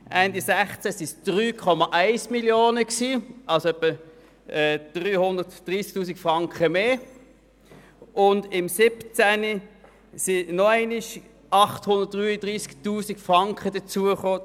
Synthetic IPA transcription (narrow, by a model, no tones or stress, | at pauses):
ʔændisɛχt͡sæsisd̥ʁyːkʰɔmɑʔæɪsmiljoːnəksiːʔɑlsoɛpːə | ɛːd̥ʁyːhʊndətd̥ʁiːsk̚tuːsikfʁɑŋkχəmeː | ʊndɪmsɪpt͡sæni | sinɔæɪnɪʃ | ʔɑχthʊnd̥ət̚d̥ʁyːədʁiːsktuːsikfʁɑŋkχəd̥ət͡suəχoː